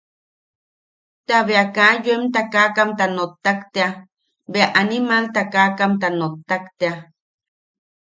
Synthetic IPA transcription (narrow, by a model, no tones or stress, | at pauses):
t̪aβeakajoemt̪akakamt̪anot̪ːakt̪ea | beaʔanimalt̪akakamt̪anot̪ːakt̪ea